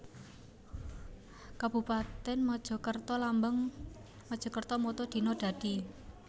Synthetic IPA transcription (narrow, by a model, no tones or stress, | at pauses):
kab̥ṳpat̪ɛnmɔd̥ʒ̥ɔ̤kərt̪ɔlambəŋ | mɔd̥ʒ̥ɔ̤kərt̪ɔmɔt̪ɔd̪̥i̤nɔɖ̪̥ä̤d̪̥i